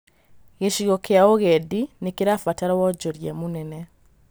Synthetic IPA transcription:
ɣeʃiɣɔkeaoɣɛdinekeɾafataɾɔwɔd͡ʒɔɾjɛmonɛnɛ

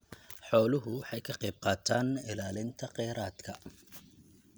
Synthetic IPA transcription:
ħɔːlʊɦʊħɑjkʰɐqɛjb̚qɑːt̪ʰaːnɪlaːlɪnt̪ʰɐqɛjɾaːd̪kʰɐ

